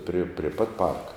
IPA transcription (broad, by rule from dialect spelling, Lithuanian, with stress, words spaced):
pʲrʲɪ pʲrʲeː ˈpɐt ˈpɐrkɐ